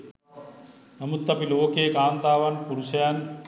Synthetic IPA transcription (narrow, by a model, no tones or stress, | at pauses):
nɐmut̪ːɐpiloːkeːkaːnd̪aːʋɐnpuɾusɐjan